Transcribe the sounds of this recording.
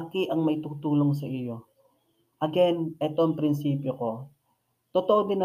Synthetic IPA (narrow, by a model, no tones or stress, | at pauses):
kɪʔɐŋmɐjt̪ʊt̪uːloŋs̬ɐʔɪjo̞ | ʔɐɡɛnʔɛt̪oɐŋpɾɪnsiːpjoko̞ | t̪ot̪oʔod̪ɪnːɐ